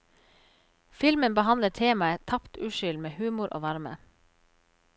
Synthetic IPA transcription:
fɪlmənbəhɑnləʈʰeːmɑət̪ʰɑpt̪ʉːʃʏlmeːhʉːmʊɾʔo̰ːʋɑɾmə̰

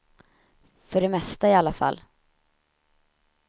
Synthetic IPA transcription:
fœɖɛmɛst̪aɪalːafa̰lː

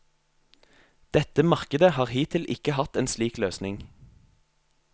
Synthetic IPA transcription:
d̪̥ɛt̪əmɑʁkəd̪əhɑːʁhiːt̪ʰɪlʔɪ̰kəhɑt̪eːnsliːkløːsnɪŋ

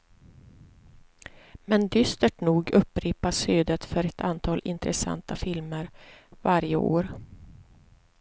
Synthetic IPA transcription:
mɛnd̪ʏst̪əʈnuːɡɵpːɾiːpaʂyːd̪ət̪fœɾɛt̪ʰant̪ʰɑːlʔɪ̰nt̪ɾɛsa̰nt̪afɪlməɾvaɾjə̰ʔo̰ːɾ

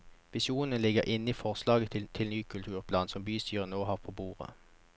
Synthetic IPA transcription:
ʋɪʃjuːnənəlɪɡəʁʔɪnːəiːfɔʁslɑːɡət̪ʰt̪ʰɪlnyːkʰʉlt̪ʰʉːʁpʰlɑːnsɔmbyːst̪ʰyːʁənoːhɑːʁpʰoːbuːʁə̰

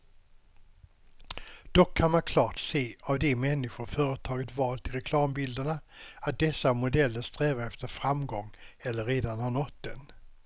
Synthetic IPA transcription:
d̪̥ɔkʰːanmankʰlɑːʈseːavd̪ɛmɛnːɪɧʊɾfœːɾət̪ʰɑːɡət̪vɑːlt̪ʰɪlɾɛkʰlɑːmbɪld̪əɳaat̪̚d̪ɛsːamʊd̪ɛlːəst̪ɾɛːvaɾɛft̪əɾfɾamɡɔŋːɛlːəɾeːd̪anhaɳɔt̪d̪ɛn

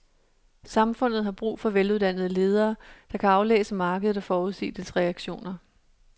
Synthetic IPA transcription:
sɑ̈mfɔ̽n̰ð̞̩ˠɦɑ̈b̥ʁṵːfɒ̽ʋeluð̞ˠd̥æn̰ð̞̩ˠəle̝ːð̞ˠɐːd̥ɑ̈kʰæɑ̈ʊlḛːsəmɑ̈ːɡ̥əð̩ˠɒ̽fɒːuð̞ˠsḭːd̥əlsʁɛæɡ̥ɕo̝̰ːnɐ

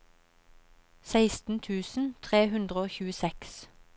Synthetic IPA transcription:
sæɪst̪n̩t̪ʰʉːsn̩t̪ʰʁeːhʉnd̪ʁəoːçʉːəsɛks

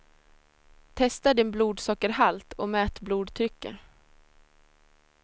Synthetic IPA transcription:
t̪ʰɛst̪aɖɪnbluːd̪sɔːkəɾɦalt̪ɔmɛːt̪bluːd̪t̪ʰɾʏkːə̰

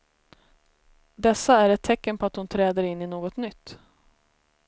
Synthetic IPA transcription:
d̪ɛsːaæɾɛt̪ʰːɛkːənpʰɔat̪hʊnt̪ʰɾɛːd̪əɾɪnːɪnoːɡɔt̪nʏt̪ː

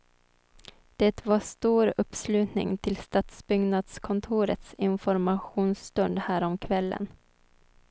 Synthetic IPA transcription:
d̪̥ɛt̪vaʂt̪uːɾɵpːslʉ̟ːt̪nɪ̰ŋt̪ʰɪlst̪at̪sbʏɡnad̪skʰɔnt̪ʰuːɾə̰t̪sɪnfɔɾmaɧuːnst̪ɵnd̪hæːɾɔmkʰvɛlːə̰n

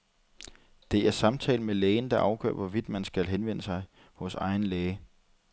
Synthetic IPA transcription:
d̥e̝æɐsɑ̈mt͡sʰɛ̰ːləmelɛːɪn̩d̥ɑ̈ʔɑ̈ʊɡ̥ɶ̰ɐ̰ʋɒ̽ʋid̥mænsɡ̥ælɦenʋen̰əsɑ̈ɪ | hɔ̽sɑ̈ɪn̩lɛːɪə

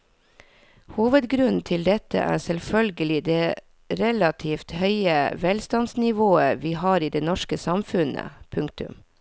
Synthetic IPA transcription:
huːʋəd̪ɡɾʉnn̩t̪ʰɪld̪ɛt̪ə̰ʔæ̰ːsɛlfœlɡəlɪd̪eː | ɾɛlɑt̪ʰiːft̪hœʏəʋɛlst̪ɑnsnɪʋoːəʋiːhɑːɾiːd̪eːnɔʂkəsɑmfʉnə̰pʰʉŋk̚t̪ʉ̰m

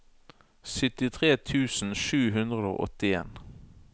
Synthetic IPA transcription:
sʏt̪ɪt̪ʰʁeːt̪ʰʉːsn̩ʃʉːɦʉnd̪ʁəd̪o̰ːʔɔt̪ɪḛːn

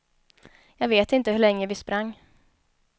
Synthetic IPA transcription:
jɑːɡveːt̪ɪnt̪əhɵɭɛŋːəvɪspɾaŋː

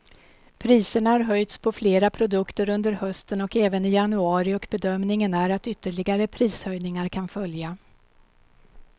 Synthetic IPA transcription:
pʰɾiːsəɳahaɾɦœjt̪spʰɔfleːɾapʰɾʊd̪ɵkt̪əɾɵnd̪əɾhœst̪ənɔkɛːvənɪjanɵɑːɾɪɔkbɛd̪œmnɪŋənæɾat̪ʏt̪ːəɭɪɡaɾəpʰɾiːshœjnɪŋaɾkʰanfœlja

